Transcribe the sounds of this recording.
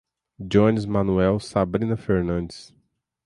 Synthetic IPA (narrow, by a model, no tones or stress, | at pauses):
d͡ʒõnizmɐ̃nuɛwsabɾĩnɐfeɾnɐ̃nd͡ʒɪs